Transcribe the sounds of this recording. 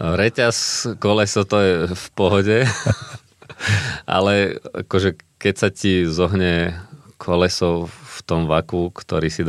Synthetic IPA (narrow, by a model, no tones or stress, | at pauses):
ɾɛcaskɔlɛsɔʊt̪ɔjɛfpɔɦɔɟɛ | ʔa̰lɛa̰kɔʒɛkɛcsacizɔɦɲɛkʰɔlɛsɔʊft̪ɔmʋakukt̪ɔɾiːsid̪